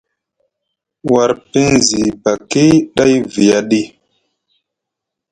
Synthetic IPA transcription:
wa˨ɾpi˦nzi˨ba˨ke˦ɗa˦jvi˨ja˦ɗi˦

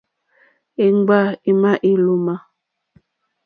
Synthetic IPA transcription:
i˨ŋ˦ɡ͡ba˦˨i˨ma˦ʔi˦lu˨˦ma˦

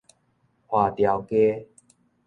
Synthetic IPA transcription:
hwa˨˩t̪ja˨˩wke˦

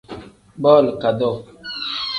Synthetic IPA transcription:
bɔ˦˨lka˨dɔ˦˨

